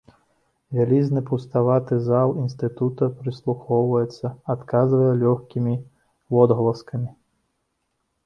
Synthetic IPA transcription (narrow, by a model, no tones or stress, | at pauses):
vʲalʲiznɨpuwst̪avat̪ɨzalˠinst̪ɨt̪ut̪ɐpɾɨslˠuxɔwvɐjɛt̪sːɐat̪kazvɐjɛlʲɔxkʲimʲi | vɔd̪ɣɐlˠɐskɐmʲi